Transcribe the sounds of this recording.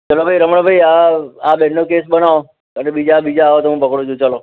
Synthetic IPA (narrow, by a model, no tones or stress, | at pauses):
t͡ʃəlobʱaiɾəməɳbʱaiaabɛnːokesɓənao | ənebid͡ʒabid͡ʒaːʋot̪oɦũpəkɽõd͡ʒũt͡ʃəlo